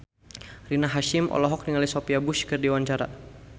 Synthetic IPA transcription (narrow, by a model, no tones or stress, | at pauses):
rinaɦaʃɪmʔɔ̰lɔɦɔk̚niŋalisɔpiabuʃkɨrdiwaɲt͡ʃaɾa̰